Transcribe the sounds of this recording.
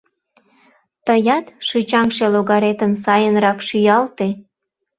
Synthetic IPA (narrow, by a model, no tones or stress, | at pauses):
t̪əjɑt̪ʃyt͡ɕɑŋʃeloɣɑɾet̪əmsɑjənɾɑkʃyjɑlt̪e